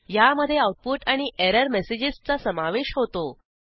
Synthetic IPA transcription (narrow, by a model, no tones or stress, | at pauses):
jaməd̪ʱːjeawʈ̚puʈaɽ̃ieɾəɾmesed͡ʑist͡sasəmaʋeɕɦot̪o